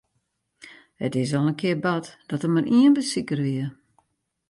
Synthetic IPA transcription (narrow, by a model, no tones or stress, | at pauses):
hətɪs̬ɔlənkʰɪərbatd̥ɔtəmariənbəsikərʋiə